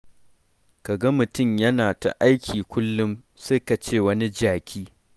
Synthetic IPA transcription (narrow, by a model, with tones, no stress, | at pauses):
ka˨ɡɐ˦mʊ˨tʊ˦˨mjɐ˦naː˨ta̰˨ʔa˦jkʲʰiː˨kʷʊ˦lːʊ˦m | seː˦ka˨t͡ʃeː˦˨wɐ˦ni˦d͡ʒaː˨kʲʰiː˦